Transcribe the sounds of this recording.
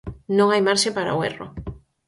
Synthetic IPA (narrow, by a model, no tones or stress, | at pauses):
nõŋajmaɾʃepaɾa̰oero̰